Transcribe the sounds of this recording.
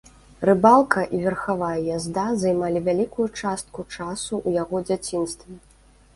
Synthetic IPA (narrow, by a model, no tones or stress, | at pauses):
rɨbalˠkʰɐʔivʲɛrxavajɐjazd̪azajmalʲivʲalʲikujut͡ʂast̪̚kut͡ʂasuʔujaɣɔd͡zʲat͡sʲinst̪vʲɛ